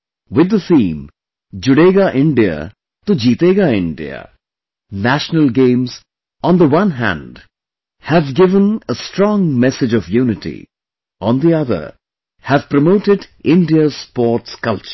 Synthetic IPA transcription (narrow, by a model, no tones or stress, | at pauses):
wɪd̪ːəsĩːm | d͡ʒʊɽeɡaʔɪ̃ɳɖia̰ | t̪od͡ʒiːt̪eːɡaɪ̃ɳɖḭa̰ | næʃnəlɡẽːmz | ɔ̃nd̪əwʌ̃nɦæ̰̃nɖ | hævɡɪvə̃nəsʈɾɔ̃ːŋmɛsɪd͡ʒɔvjuːnɪʈḭ | ʔɔ̃nd̪iʌðə̰ɾ | hævpɾəmoːʈɪɖɪ̃ɳɖiəspɔːʈskʌlt͡ʃ